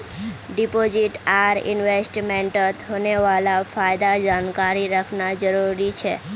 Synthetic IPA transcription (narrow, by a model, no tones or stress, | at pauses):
ɖipod͡ʒiʈaɾɪ̰nʋesʈmẽɳʈət̪ɦoneʋalafʰajd̪ad͡ʒankaɾiɾəkʰnad͡ʒəɾuɾit͡ʃʰḛ